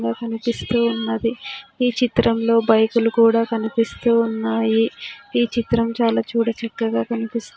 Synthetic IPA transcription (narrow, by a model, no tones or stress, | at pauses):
ɡaːkɐnipist̪uːunːɐd̪iiːt͡ʃit̪ɾɐmlo̞ːbɐjkulukuːɽaːkɐnipist̪uːunːaːjiːt͡ʃit̪ɾɐmt͡ʃaːlaːt͡ʃuːɽɐt͡ʃɐkːɐɡaːkɐnipist̪u